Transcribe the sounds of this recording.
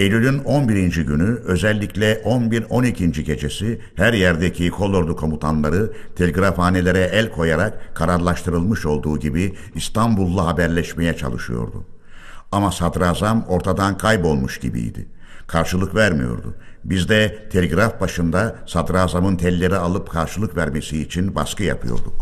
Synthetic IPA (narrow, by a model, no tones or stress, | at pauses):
elʲylʲyno̞nbiɾind͡ʒiɟynyø̞zɛlʲːiclʲɛʔo̞nbiɾo̞nicʰind͡ʒicʰe̞t͡ʃʰe̞si | hæɾjæɾd̪ecʰikʰo̞lˠo̞ɾd̪ukʰomut̪ʰanlˠaɾɯt̪ʰe̞lʲeɡɾafaːnelʲe̞ɾɛɛlʲkʰo̞jaɾakkʰːaɾaɾlˠaʃt̪ʰɯɾɯlˠmɯʃo̞lˠd̪uːɟibiː | st̪ʰambulˠːaɦabæɾlʲɛʃme̞jɛt͡ʃʰa̰lˠɯ̰ʃɯjo̞̰ɾd̪ṵ | amasad̪ɾaːzamo̞ɾt̪ʰad̪ankʰajbo̞lˠmuʃɟḭbḭjd̪ɪ̰ | kʰaɾʃɯlˠɯkvæɾmḭjo̞̰ɾd̪ṵ | bizd̪ɛt̪ʰelʲeɡɾafbaʃɯnd̪asad̪ɾaːzamɯnt̪ʰɛlʲːe̞ɾialˠɯpkʰaɾʃɯlˠɯkvæɾmesiːt͡ʃʰinba̰skʰɯja̰pʰɯ̰jo̞̰ɾd̪uk